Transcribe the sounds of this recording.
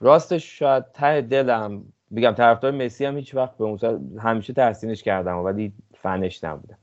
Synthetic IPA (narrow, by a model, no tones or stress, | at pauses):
rɒːst̪eʃʃɔjæd̪̚t̪ʰːæhed̪e̞læm | beɟæmt̪ʰæɾæfd̪ɒːɾemesiæmhiːt͡ʃʰvæxt̪̚beunsɦæmiːʃet̪ʰæɾsiːne̞ʃcʰæɾd̪æmovæli | fæneʃnæ̰bṵd̪æm